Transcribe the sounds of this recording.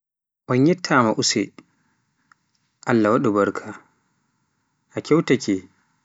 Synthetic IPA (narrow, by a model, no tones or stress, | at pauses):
ʔɔnjɛtʰːamaʔusɛ | ʔalːawaɗubaɾkʰa | ʔakɛwtakɛ